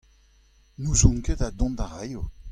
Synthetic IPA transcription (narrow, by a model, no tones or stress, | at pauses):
nuzɔ̃ŋkedad̪ɔ̃nd̪aʁajo